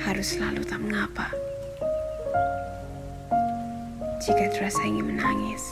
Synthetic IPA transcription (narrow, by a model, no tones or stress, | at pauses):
haɾʊsəlalut̪aməŋapa | d͡ʒ̥ikat̪əɾasaiŋɪnmənaŋɪs